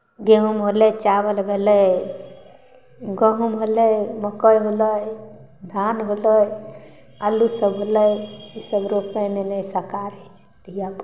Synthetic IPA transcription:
ɡeɦumɦolɛt͡ʃabəlɡʱelə | ɡəɦumɦoləjməkəjɦoləjd̪ʱanɦoləj | alːusəbɦoləisəbɾopẽmenəjsəkaɾəjt͡ʃʰ | t̪ijab

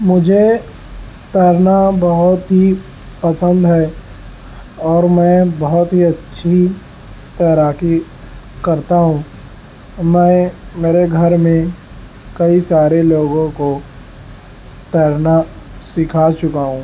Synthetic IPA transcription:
mʊd͡ʒʱe | t̪ɛːɾnabɐɦʊt̪ɦi | pɐsə̃nd̪ɦɛː | ɔːɾmɛ̃ːbɔɦʊt̪ɦiɐtːʃʰi | t̪ɛːɾaːki | kɐɾt̪aɦũː | mɛ̃ːmeːɾeɡʱɐɾmẽ | kɐisaːɾeloːɡõko | t̪ɛːɾna | sɪkʰat͡ʃʊkaɦũː

